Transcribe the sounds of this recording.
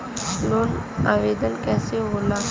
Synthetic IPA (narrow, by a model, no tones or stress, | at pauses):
nonaʋed̪ənkɛseɦola